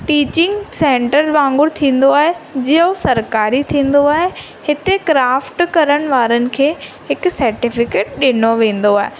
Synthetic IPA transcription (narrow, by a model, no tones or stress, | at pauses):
ʈiːt͡ɕɪ̃ŋɡsẽːɳʈəɾʋãːŋɡʊɽt̪ʰĩːn̆d̪oaːɦed͡ʑiːosɐɾkaːɾit̪ʰĩːn̆d̪oaːɦe | hɪt̪ekɾaːfʈkɐɾəɽ̃ɪ̆ʋaːɾənɪ̆kʰeː | ɦɪksɐɾʈɪfɪkeːʈ̚ɗɪnoʋẽːn̆d̪oaːɦe